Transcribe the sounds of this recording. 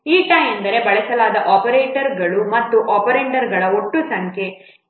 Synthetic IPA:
iːʈaːjend̪ɐɾe̞bɐɭɛsɐlaːd̪ɐʔɔːpɐɾeːʈɐɾɡɐɭumɐt̪ːuʔɔːpɐɾeːɳʈɐɾɡɐɭɐo̞ʈːusɐŋkʰe̞

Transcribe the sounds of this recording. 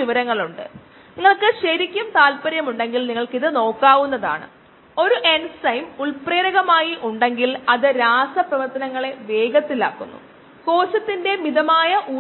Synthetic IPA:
iʋɐɾɐŋːɐɭuɳɖɨ̰ | niŋːɐɭkɨɕɐɾikʲːumt̪aːlpɐɾjɐmuɳɖe̞ŋɡilniŋːɐɭkiðɨno̞ːkːaːʋunːɐða̰ːɳɨ̰ | o̞ɾuʔe̞nsɐjmuɭpreːɾɐɣɐmaːjiʔuɳɖe̞ŋɡilɐðɨɾaːsɐprɐʋɐrt̪ːɐnɐŋːɐɭe̞ʋe̞ːɡɐt̪ːila̰ːkːunːṵ | ko̞ːɕɐt̪ːinde̞miðɐmaːjɐʔuː

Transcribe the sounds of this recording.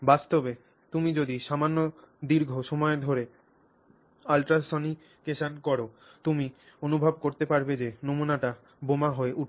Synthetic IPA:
bast̪obe | t̪umid͡ʑod̪iʃamanːo | d̪iɾɡʱoʃɔmɔed̪ʱoɾe | alʈɾasoni | keʃankɔɾo | t̪umi | onubʱob̚koɾt̪epaɾbed͡ʑenomunaʈa | bomaɦoeʔuʈ

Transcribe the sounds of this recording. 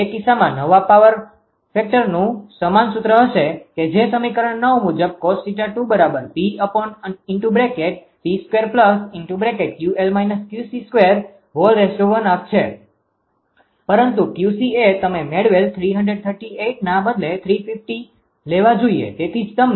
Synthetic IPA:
ekisamãnəʋapaʋəɾ | fek̚ʈəɾnũsəmansʊt̪ɾəɦəʃeked͡ʒesəmikəɾəɳːəʋmud͡ʒəb̚kossiʈaʈubəɾabəɾpiəpɔnəɪɳʈubɾekeʈ̚ | piskʋeɾpləsɪɳʈubɾekeʈ̚kjuelmajnəskjusiskʋeɾ | ɦolɾesʈoɾənap̚t͡ʃʰe | pəɾənt̪ukjusiet̪əmemeɽʋelt̪ʰɾiɦəɳɖɾeɖ̚t̪ʰəɾʈieʈnãbəd̪let̪ʰɾifɪfʈi | leʋad͡ʒoiḛt̪et̪ʰid͡ʒt̪əmn

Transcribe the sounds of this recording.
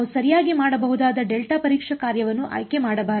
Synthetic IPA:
usɐɾijaːɡimaːɽɐbɐɦud̪aːd̪ɐɖelʈapɐɾiːkʂɐkaːɾjɐʋɐnːuʔɐ̰ːjke̞maːɽɐbaːɾ

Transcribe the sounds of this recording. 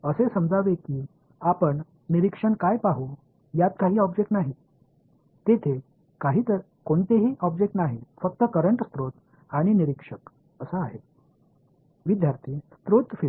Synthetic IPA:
əsesəmd͡zʱaʋekiː | apəɳ | niɾikʂəɳkajpaɦuː | jat̪̚kaɦiːɔbd͡ʑek̚ʈnaɦi | t̪et̪ʰe | kaɦiːt̪əɾ | koɳt̪eɦiːʔɔb̚d͡ʑek̚ʈnaɦifək̚t̪əkəɾəɳʈst̪ɾot̪ | aɽ̃iniɾikʂək | əsəaɦe | ʋid̪ʱjaɾt̪ʰiːst̪ɾot̪fi

